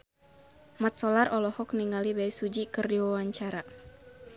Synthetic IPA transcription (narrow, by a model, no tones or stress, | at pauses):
mat̪̚sɔlarʔɔlɔhɔk̚niŋalibaisud͡ʒikɨrdiwawaɲt͡ʃaɾa